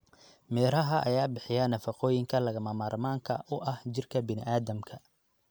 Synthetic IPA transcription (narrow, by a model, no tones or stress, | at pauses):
mɛːɾɐɦɐʔɐ̰jaːbɪħɪjanɐfɐqɔːjɪŋkʰɐlɐɣɐmɐmaːrmaːŋkʰɐ̰ʔʊʔɐht͡ʃɪrkʰɐbɪnɪ̰ʔaːðɐmkʰɐ